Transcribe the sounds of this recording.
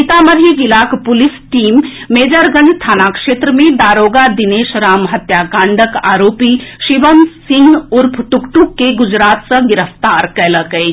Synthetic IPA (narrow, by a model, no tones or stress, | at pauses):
it̪aːmɐɾjəɡilaːkpʊlisʈiːmː | eːd͡ʒəɾɡənst̪ʰaːnakʂeːt̪ɾəmẽd̪aːɾoːɡad̪ineːʃɾaːmɦɐt̪jaːkãːɳɖʱəka̰ːɾoːpiʃiʋəmsĩŋɡʊɾpʰʈukʈukːeɡʊd͡ʒɾaːt̪səɡɪɾəft̪aɾkələkɐe